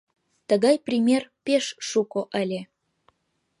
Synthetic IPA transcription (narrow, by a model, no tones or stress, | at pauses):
t̪əɣɑjprʲimʲerpeʃːukoʔəlʲe